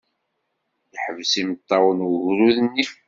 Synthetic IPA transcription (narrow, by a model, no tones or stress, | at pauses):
jəħəvsimət̪ˤːɑwənɣɾuðnːif